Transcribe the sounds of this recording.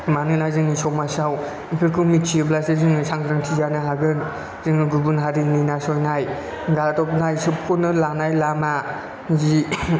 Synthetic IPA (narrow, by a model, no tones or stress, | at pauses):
manɯnazɯŋisɔmasaw | ipʰɯkʰɯmit͡ʃiɯblasezɯŋsaŋɡɾɯŋtʰizanɯɦaɡɯn | zɯŋɯɡubunɦaɾinɯnasɔjnaj | ɡaltɔp̚najsɯpʰunɯlanajlama | zi